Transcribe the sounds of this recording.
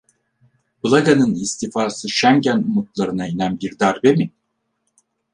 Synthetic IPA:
bɯlˠaɡanɯnist̪ifaːsɯʃæŋɟænmut̪̚lˠaɾɯnainænbiɾd̪aɾbemi

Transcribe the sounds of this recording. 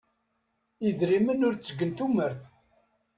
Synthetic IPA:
iðɾimənʊɾt͡sːəɡːənt̪uməɾθ

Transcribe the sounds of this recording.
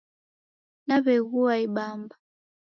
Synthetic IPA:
naβɛɣuaiɓamba

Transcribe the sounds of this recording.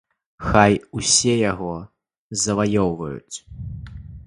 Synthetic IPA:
xajusʲɛjaɣɔ | zɐvajɔwvɐjṵt͡sʲ

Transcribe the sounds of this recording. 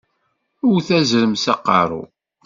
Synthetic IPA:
ʊɾθæzɾəmsɑqːɑɾˤʊ̰

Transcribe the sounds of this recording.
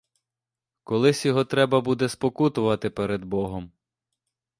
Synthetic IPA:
kɔlˠɪsʲjɔɦɔt̪ɾɛbɐbud̪ɛspɔkut̪ʊʋɐt̪ɪpeɾed̪bɔɦɔm

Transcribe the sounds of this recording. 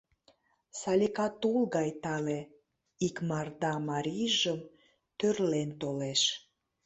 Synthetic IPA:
sɑlʲikɑt̪ulɣɑjt̪ɑle | ikmɑrd̪ɑmɑɾʲiʒəm | t̪ørlent̪oleʃ

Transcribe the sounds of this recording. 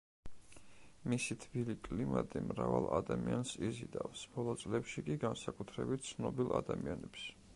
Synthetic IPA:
misit̪ʰbilikʼlimat̪ʼimɾavalˠad̪amiansizid̪avsb̥ɔlˠɔt̪sʼlɛpʃikʼiɡansakʼut̪ʰɾɛbit̪̚ʰt̪sʰnɔbilˠad̪amianɛps

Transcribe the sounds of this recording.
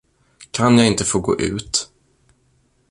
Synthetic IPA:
kʰanjaɪnt̪əfoːɡo̰ːʔʉ̟ːt̪

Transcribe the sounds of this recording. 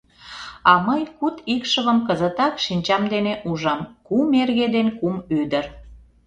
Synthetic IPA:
ɑməjkut̪ikʃəβəmkəzət̪ɑkʃinʲt͡ɕɑmd̪eneʔuʒɑmkumerɣed̪enkumyd̪əɾ

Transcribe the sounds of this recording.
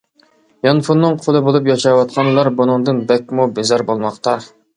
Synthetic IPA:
jɑnfunːɨŋqʰolˠɨbolˠup̬jɑʃɑwɑt̪̚qʰɑnlˠɑɾbunɨŋd̪ɨnbɛk̚ʲmubezæɾbolˠmɑqt̪ɑ

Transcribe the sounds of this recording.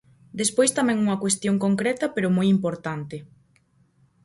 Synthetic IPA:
d̪espojst̪amɛ̃ŋuŋɐkwest̪joŋkoŋkɾɛt̪ɐpeɾomojimpoɾt̪ant̪ɪ

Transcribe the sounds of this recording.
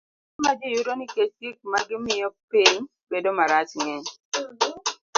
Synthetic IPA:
mad͡ʒijuɾonɪkesik̚maɡɪmɪjɔpeɲ | bedomaɾat͡ʃŋɛɲ

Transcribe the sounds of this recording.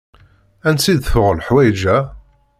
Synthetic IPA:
ænsid̪θʊʁəlħwæjd͡ʒæ

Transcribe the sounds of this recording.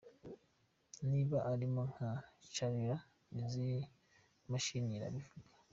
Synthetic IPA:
niβaʔːɾimoŋat͡ʃaɾiɾa | ezi | maʃiɲiɾa̰βifuɡḁ

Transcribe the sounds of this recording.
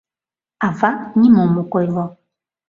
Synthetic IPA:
avaɲimɔmukɔjvɔ

